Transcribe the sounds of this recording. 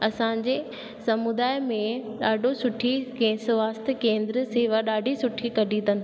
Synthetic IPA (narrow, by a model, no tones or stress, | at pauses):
ɐsãːɲd͡ʑe | sɐmud̪aːjmẽɗaːɖʱosʊʈʰikẽːsʊʋaːst̪ɪkẽːnd̪ɾəseːʋaɗaːɖʱisʊʈʰikɐɖʱĩːd̪ənɪ̆